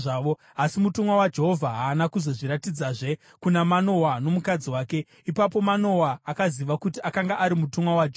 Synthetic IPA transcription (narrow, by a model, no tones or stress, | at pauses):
ʐaːʋo | asimutumwawad͡ʒe̞ɦo̞vʱaɦaːnakuzo̞ʐiɾatid͡zaʐe̞ | kunamano̞wano̞mukad͡ziwaːke̞ | ipap̬o̞mano̞waːkaziʋakutiʔakaŋɡaʔaɾimutumwawad͡ʒː